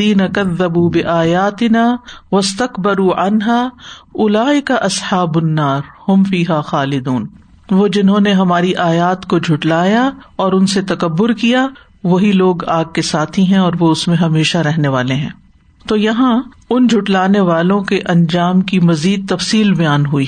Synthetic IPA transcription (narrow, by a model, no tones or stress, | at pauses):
iːnɐkɐðːɐbuːbɪʔaːjaːt̪ɪnaːʋɐst̪ɐkbɐɾuːʕɐnɦaːʊlaːʔɪkaʔɐsħaːbʊnːaːɾhʊ̃mfiːɦaːxaːlɪd̪uːn | ʋoːd͡ʒɪnɦõneɦɐmaːɾiʔaːjaːt̪kod͡ʒʱʊʈlaːjaɔːɾʊnset̪ɐkɐbːʊɾkija | ʋɐɦiloːɡaːɡ̚kesaːt̪ʰiɦɛ̃ɔːɾʋoʊsmẽɦɐmeːʃaɾɛɦneʋaːleɦɛ̰̃ː | t̪oːjɐɦã | ʊnd͡ʒʱʊʈlaːneʋaːlõkeʔɐ̃ɲd͡ʒaːmkimɐziːd̪̚t̪ɐfsiːlbɐjaːnɦuiː